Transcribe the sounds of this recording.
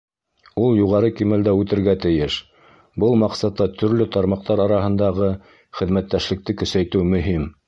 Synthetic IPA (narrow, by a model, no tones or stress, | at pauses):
ulˠjuʁɑɾɤkimæld̪æʉt̪ɘ̆ɾɡæt̪ɘ̆jɘʃ | bɤlˠmɑqsɑt̪ːɑt̪ʰɵ̆ɾlɵt̪ɑɾmɑq̚t̪ɑɾɑɾɑɦɤ̆nd̪ɑʁɤ | χɘ̆ðmæt̪ːæʃlɘ̆k̚t̪ɘkɵ̆sæjt̪ɘwmɵ̆ɦim